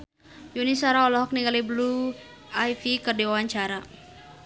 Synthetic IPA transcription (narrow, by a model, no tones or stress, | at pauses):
junisaɾaɔlɔɦɔk̚niɡaliblu | ajfikərdiwawaɲt͡ʃaɾa